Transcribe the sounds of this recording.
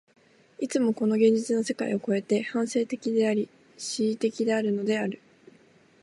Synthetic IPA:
it͡sɨmo̞ko̞no̞ɡẽ̞ɲ̟d͡ʑit͡sɨnose̞kaḭo̞ko̞e̞t̪e̞hãɰ̃se̞ːt̪e̞kʲid̪e̞aɾʲi | ɕiːt̪e̞kʲid̪e̞aɾɯ̟no̞d̪e̞aɾɯ̟

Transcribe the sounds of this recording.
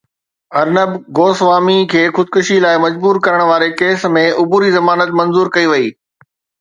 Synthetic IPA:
ɐɾnəbɡoːsʋaːmikʰeːxʊd̪̚kʊʃilaːɪmɐd͡ʑbuːɾkɐɾəɽ̃ʋaːɾekeːsmẽʔʊbuːɾizɐmaːnət̪mɐ̃nzuːɾkɐiʋɐiː

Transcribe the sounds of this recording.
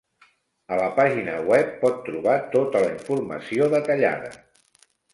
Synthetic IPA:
ələpaʒinəwɛpːɔt̪ːɾuβ̞at̪ot̪ələiɱfurmə̰sioðət̪əʎa̰ðə̰

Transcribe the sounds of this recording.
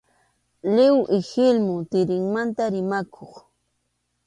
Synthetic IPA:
lɪwʔɪxɪlmʊt̪ɪɾɪŋmant̪aɾɪmakʰoχ

